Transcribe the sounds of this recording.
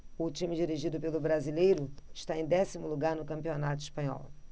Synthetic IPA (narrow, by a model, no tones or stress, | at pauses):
ʊt͡ʃĩmɪd͡ʒiɾiʒid̪ʊpelʊbɾazilejɾʊɪʃt̪aẽj̃d̪ɛsimʊluɡaɾnʊkɐ̃mpionat̪ʊiʃpɐ̃ɲɔ̰w